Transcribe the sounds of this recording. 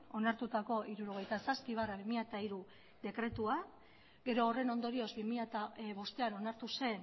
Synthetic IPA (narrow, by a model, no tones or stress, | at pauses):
o̞naɾt̪ut̪ako̞ʔiɾuɾo̞ɣ̞e̞jt̪asaspiβ̞araβimiʎat̪aiɾu | ðe̞kɾe̞t̪ua | ɡe̞ɾo̞ːre̞no̞nd̪o̞ɾio̞zbimiʎat̪aβo̞st̪e̞ano̞naɾt̪use̞n